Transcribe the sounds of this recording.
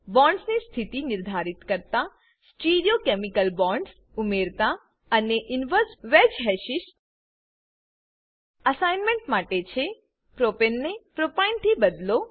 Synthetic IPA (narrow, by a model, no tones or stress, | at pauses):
bɔ̃ɳɖsnist̪ʰit̪inɪɾd̪ʱaɾit̪kəɾt̪a | sʈiɾijokemikəlbɔ̃ɳɖs | umeɾt̪a | əneʔɪnʋəɾsʋed͡ʒɦɛʃiʃ | əsajnmẽɳʈmaʈet͡ʃʰe | pɾopenːepɾopajnt̪ʰibəd̪lo